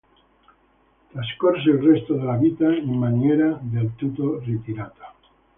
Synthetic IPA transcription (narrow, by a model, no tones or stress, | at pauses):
t̪askoɾaselrest̪oðelaβit̪aimanjeɾaðelt̪ut̪orit̪iɾat̪ḁ